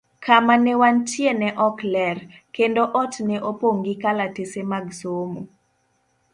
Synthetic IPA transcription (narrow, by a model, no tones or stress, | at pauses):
kamanɛwantjenɛʔɔklɛrkendoʔɔtneʔopoŋɡɪkalatesemaɡsomo